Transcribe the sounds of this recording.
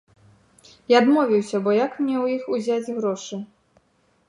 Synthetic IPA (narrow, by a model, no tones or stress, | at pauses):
iad̪mɔvʲiwsʲɐbɔjakmnʲɛwjixuzʲad͡zʲɣɾɔʂɨ